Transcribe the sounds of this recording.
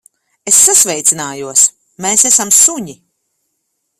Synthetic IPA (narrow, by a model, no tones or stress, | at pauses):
esːasvɛjt̪sinaːjuɔs | meːsɛsamsuɲi